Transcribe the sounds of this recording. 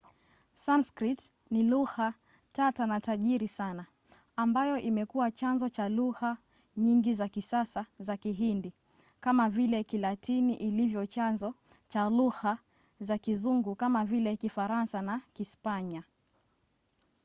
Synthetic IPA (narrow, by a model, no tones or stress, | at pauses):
sanskɾit | niluha | tatanataʄiɾisanaː | mbajɔʔimɛkuwat͡ʃanzɔt͡ʃaluha | ɲiŋɡizakisasazakiɦindi | kamavilɛkilatiniʔilivjɔt͡ʃanzɔ | t͡ʃaluha | zakizuŋɡukamavilɛkifaɾansanakispaɲa